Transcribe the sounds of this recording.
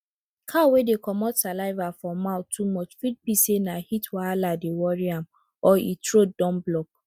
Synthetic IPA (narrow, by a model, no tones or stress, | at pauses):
kʰawedekʰɔmɔtsalaɪvafɹɔ̃mːaʊtʰːumɔt͡ʃfit̚pisenahitwaladewɔɹiam | ɔḭtʰɹodɔ̃mblɔk̚